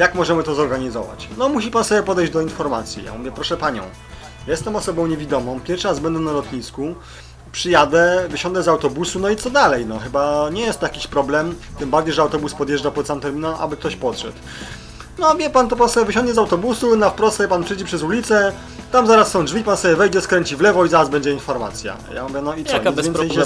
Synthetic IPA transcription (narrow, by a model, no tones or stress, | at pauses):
jakmɔʐɛmɘt̪ɔzɔɾɡaɲizɔ̰va̰t͡ɕnɔmuɕipansɔbʲjɛpɔd̪ɛjʑd͡ʑd̪ɔinfɔɾmat̪sʲjḭja̰muvʲjɛpɾɔʂɛpaɲɔ̰̃w̃ | jɛst̪ɛmɔsɔbɔ̃w̃ɲevʲid̪ɔmɔ̃w̃pʲjɛɾʂazbɛnd̪ɛnalɔt̪ɲisku | pʂɘjad̪ɛvɘɕɔ̃nd̪ɛzawt̪ɔbusunɔit̪sɔd̪alɛjnɔxɘbaɲɛjɛst̪ɔjakʲiɕpɾɔblɛmt̪ɘmbaɾd͡ʑejʐɛawt̪ɔbuspɔd̪jɛʐd͡ʐapɔt̪sant̪ɛɾmʲinɛmʔa̰bɘk̚t̪ɔɕpɔt̪ʂɛ̰t̪ | nɔvʲjɛpant̪ɔpɾɔsɛvɘɕɔ̃nɡ̪ɲɛzawt̪ɔbusunafpɾɔst̪ɛpanpʂɨjd͡ʑɛpʂɛzulʲit̪sɛ | t̪amzaɾasːɔ̃w̃dʐvʲipansɔbjɛvɛjd͡ʑɛskɾɛɲt͡ɕivlɛvɔizaɾazbɛɲd͡ʑɛinfɔɾma̰t̪sʲja̰ja̰muvʲjɛnɔit̪sɔzvɛnsɛj